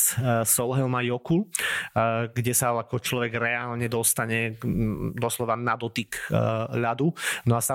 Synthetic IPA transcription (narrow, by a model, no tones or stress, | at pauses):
sɔlɦɛlmajɔkul | ɡɟɛsaakɔt͡ʃlɔʋɛɡɾɛaːlɲɛd̪ɔst̪aɲɛ | d̪ɔslɔʋanad̪ɔt̪ikʎad̪unɔasa